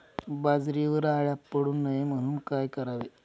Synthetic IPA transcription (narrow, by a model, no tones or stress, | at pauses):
bad͡zɾiʋəɾaɭjapːəɽuːnːaɦem̤əɽ̃uːnkajkəɾaʋe